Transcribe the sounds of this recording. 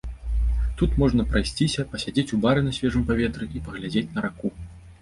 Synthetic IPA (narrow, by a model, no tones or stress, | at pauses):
t̪ut̪mɔʐn̪ɐpɾajsʲt͡sʲisʲɐpɐsʲad͡zʲet͡sʲubaɾɨnɐsʲvʲɛʐɨmpavʲɛt̪ɾɨʔipɐɣlʲad͡zʲet͡sʲnɐɾaku